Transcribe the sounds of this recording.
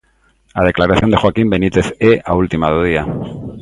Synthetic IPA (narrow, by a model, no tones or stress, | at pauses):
að̞e̞klaɾaθjo̞nd̪e̞xwakimbe̞nit̪e̞θeault̪imaðoð̞ia